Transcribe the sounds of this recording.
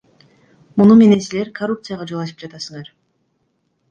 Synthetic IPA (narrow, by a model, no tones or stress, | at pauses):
munume̞ne̞nsile̞ɾkʰɐrup̚t̪sɨjaʁɑd͡ʒolˠɑʃɯ̥pd͡ʒat̪ɑsɯŋɑɾ